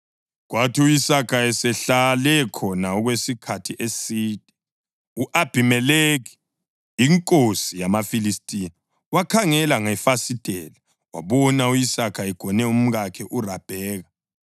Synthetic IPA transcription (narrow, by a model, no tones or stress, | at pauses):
ɣwatʰiujisakʰaɛsɛɬalɛkʰɔnaɔɣwesikʰatʰiʔesiːd̥ʱʼɛ̥ | uʔab̥ʱimɛleɣɛ | iŋkʼosijamafilistʼina | wakʰaŋɛlaŋafasitʼɛla | wa̰βɔnaujisakʰaɛɡ̥ʱɔnɛum̩ɣakʰɛʔurab̥ʱɛːɣa